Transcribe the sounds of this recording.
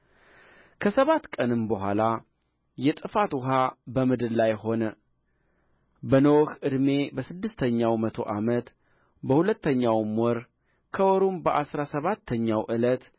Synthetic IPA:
kʰəsəβat̪ːkʼənɨmbəɦʷala | jɛt̪ʼɨfat̪wʊɦabəmɨd̪ɨllajho̞nə | bənəwhʔɨd̪me̞bəsɨd̪ːɨst̪ʰəɲːawmət̪ʰoʔamət̪ | bəhulət̪ːəɲːawmwɔɾ | kʰəwɔɾumbəʔasɾasəβat̪ʰːəɲːawʔɨlət̪

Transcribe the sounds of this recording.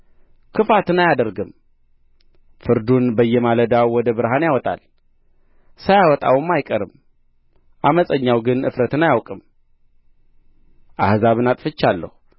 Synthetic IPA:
kʰɨfat̪ɨnajad̪əɾɡɨm | fɨɾd̪unbəjːɛmaləd̪awwɔd̪əbɨɾɦanjawɔt̪ʼa̰l | sajawɔt̪ʼa̰wɨmːajkʼəɾɨm | ʔaməsʼəɲːawɡɨnɨ̰fɾət̪ɨnajawkʼɨm | ʔahzaβɨnat̪ʼfɨt͡ʃːalːə̰hu

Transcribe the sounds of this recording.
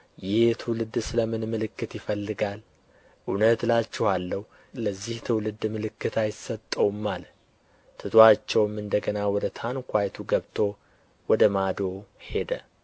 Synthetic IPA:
jɪhɛt̪ʰɨwlɨd̪sɨləmɨnmɨlɨkːɨt̪jɪfəlːɨɡal | ʔɨnət̪lat͡ʃːɛhalːəh | ləzːiht̪ʰɨwlɨd̪mɨlɨkːɨt̪ʰajɪsət̪ʼːəwmːal | t̪ʰɨt̪ʰoat͡ʃːɛwmɨnd̪əɡənawɔd̪ət̪ʰankʰʷajt̪ʰuɡəβt̪ʰo̞ | wɔd̪əmad̪o̞he̞d̪ə

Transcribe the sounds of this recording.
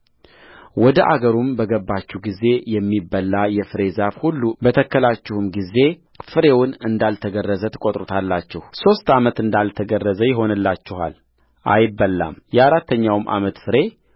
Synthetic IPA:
wɔd̪əʔaɡəɾumbəɡəbːat͡ʃːuɡize̞jɛmːibːəlːajɛfɨɾe̞zafhulːubət̪ʰəkːəlat͡ʃːɪhɨmɡize̞ | fɨɾe̞wʊnɨnd̪alt̪ʰəɡərːəzət̪ʰɨ̥kʼot̪ʼɾut̪ʰalːat͡ʃːɛhso̞st̪amət̪ɨnd̪alt̪ʰəɡərːəzəjɪɦo̞nɨlːat͡ʃːɪha̰l | ʔa̰jɪbːəlːa̰mjɛaɾat̪ːəɲːawmʔa̰mət̪fɨɾe̞

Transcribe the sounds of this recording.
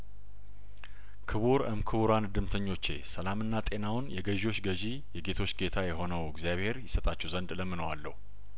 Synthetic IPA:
kʰɨβuɾə̰mkʰɨβuɾand̪ɨmt̪ʰəɲːo̞t͡ʃːe̞̰səlamɨnːat̪ʼe̞nawʊnjɛɡəʒo̞t͡ʃːɡəʒi | jɛɡe̞t̪ʰo̞t͡ʃːɡe̞t̪ʰajɛɦo̞nəwəɡzjaβhe̞ɾjɪsət̪ʼat͡ʃːɛwzənd̪ləmːɨnəwalːə̰hu

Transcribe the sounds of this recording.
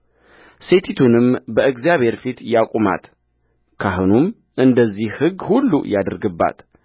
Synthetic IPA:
se̞t̪ʰit̪ʰunɨmbəʔɨɡzijaβhe̞ɾfit̪jakʷʼuma̰t̪ | kʰaɦɨnum | ʔɨnd̪əzːihhɨɡːhulːṵjad̪əɾɡɨbːa̰t̪

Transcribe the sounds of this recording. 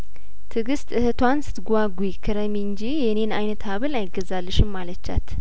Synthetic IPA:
t̪ʰɨɡɨst̪ʼɨhɨt̪ʰwansɨ̥t̪ɡʷaɡujɪkʰːɨɾəmiɲd͡ʒijɛne̞najnət̪haβɨlajɪɡəzalːɨʃɪmːalət͡ʃːa̰t̪

